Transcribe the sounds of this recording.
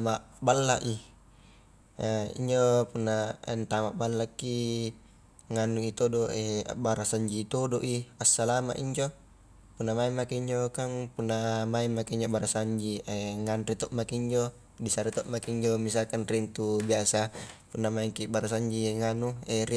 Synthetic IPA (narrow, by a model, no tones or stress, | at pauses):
maʔ | balːaʔi | ḭɲd͡ʒopunːa̰nt̪amaʔbalːakːi | ŋanuit̪odoḛbaɾasaɲd͡ʒit̪odoʔiasːalama̰ʔiɲd͡ʒo | punːamaimːakeiɲd͡ʒokaŋpunːamaimːakiiɲd͡ʒobaɾasaɲd͡ʒieŋanrit̪ɔʔmakiɲd͡ʒo | disaɾit̪ɔʔmakiɲd͡ʒomisalkanrint̪ubiasapunːamaiŋkibaɾasaɲd͡ʒiŋanueri